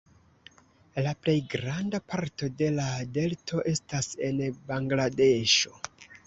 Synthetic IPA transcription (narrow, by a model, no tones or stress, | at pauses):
laple̞jɡɾandapaɾto̞de̞lade̞ltʰo̞ʔe̞stase̞nbaŋɡlade̞ʃo̞